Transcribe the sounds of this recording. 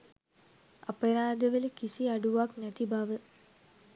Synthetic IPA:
apəɾaːd̪əʋələkisiaɖuʋaknæt̪ibaʋə

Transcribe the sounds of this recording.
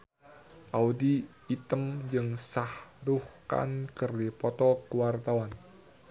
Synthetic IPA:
ʔaud̪i | it̪əmd͡ʒɨŋsahɾuhka̰nkərdipɔt̪ɔkəwart̪awan

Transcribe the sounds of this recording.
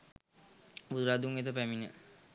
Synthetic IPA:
bud̪uɾad̪uŋet̪̬əpæminə̰

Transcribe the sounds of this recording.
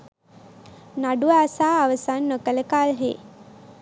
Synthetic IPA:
naɖuaːsaːʋəsanːokələkalɦḛː

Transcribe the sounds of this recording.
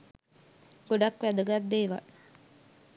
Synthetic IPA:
ɡ̥oɖakʋæd̪əɡat̪̚d̪eːʋa̰l

